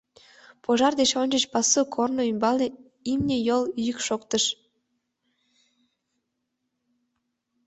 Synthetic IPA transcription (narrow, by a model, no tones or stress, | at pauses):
poʒɑrd̪et͡ɕonʲd͡ʒət͡ɕpɑsukʰornoymbɑlnʲe | imnʲejoljykʃokt̪əʃ